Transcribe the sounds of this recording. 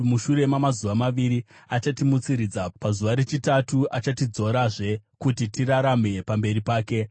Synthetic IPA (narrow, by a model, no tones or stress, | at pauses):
muʃure̞mamazuʋamaʋiɾiat͡ʃatimut͡siɾid͡zapazuʋaɾe̞t͡ʃitatuʔat͡ʃatid͡zo̞ɾaʐe̞kutitiraɾame̞pambe̞ripaːke̞